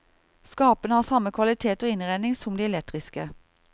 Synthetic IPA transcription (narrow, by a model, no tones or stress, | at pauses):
skɑːpənəhɑːsɑməkʰʋɑlɪt̪ʰeːt̪oːɪnʁæɪnɪŋsɔmd̪iːɛlɛk̚t̪ʁɪskə